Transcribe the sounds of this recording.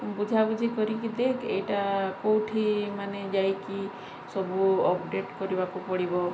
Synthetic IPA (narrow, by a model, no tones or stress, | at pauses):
bud͡ʒʱabud͡ʒʰikɔɾikid̪ekʰḛjʈakowʈʰimaned͡ʒajki | sɔbuɔpɖeʈkɔɾibakupɔɽibɔ